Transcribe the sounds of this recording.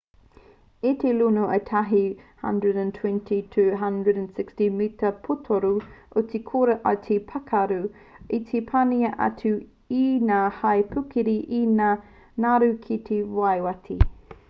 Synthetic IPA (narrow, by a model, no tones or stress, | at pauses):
itelunoʔetʰɐɦihɐ̰̃ndɹədə̃ntʰwɛ̃ntʰitʰʉɦɐ̃ndɹədə̃nsɪkstimitɐpʰutʰoɾuotikʰoɾɐʔɐtʰipʰɐkʰɐɾʉ | itʰepʰaniɐʔɐ̰tʰʉ | inaːhɐjpʰʉkiɾiʔinaː | naɾʉkʰit̪ʰewajwɐtʰi